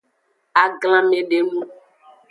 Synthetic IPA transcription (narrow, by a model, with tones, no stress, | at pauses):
a˨ɡl̃ã˦mẽ˦ɖe˦nũ˦